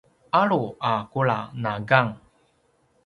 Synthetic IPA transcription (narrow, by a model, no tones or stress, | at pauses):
aɭuakuɭanaɡaŋ